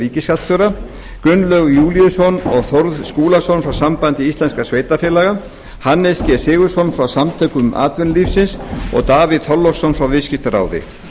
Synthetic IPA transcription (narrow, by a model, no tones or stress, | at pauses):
ɾiːcɪskat̪θœɾa | kʏnːlœɣjuːlijʏsɔnɔɣθoɾðskuːlasɔnfɾawsampant̪ɪist̪lɛnskasveːjt̪afjɛːlaːɣa | hanːɛscɛsɪːɣʏ̥sɔnfɾawsamt̪ʰœːkʏmʔa̰ːt̪vʏnliːfsɪnsɔ̰ɣt̪aːvɪðθɔlːɔsɔnfɾawvɪscɪft̪aɾa̰ːwðɪ̰